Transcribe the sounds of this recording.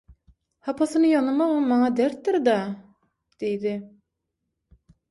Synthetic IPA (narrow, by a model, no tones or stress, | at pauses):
hɑpʰɑsɯnɯjɑnɯmɑʁɑmːɑŋɑd̪æɾt̪ːɪɾd̪ɑ | d̪̥ejd̪ɪ